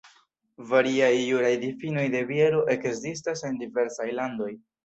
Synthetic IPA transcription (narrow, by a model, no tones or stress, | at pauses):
vaɾiajːuɾajdifino̞jde̞vieɾo̞ʔe̞kzistase̞ndive̞ɾsajlando̞j